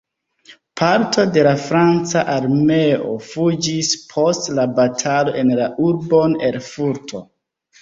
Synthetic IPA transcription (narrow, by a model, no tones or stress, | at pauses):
pʰaɾtʰo̞de̞lafɾant͡saʔaɾmeo̰fud͡ʒispʰo̞stlabatʰalo̞ʔe̞nlaʔuɾbo̞ne̞lfuɾtʰo̞̰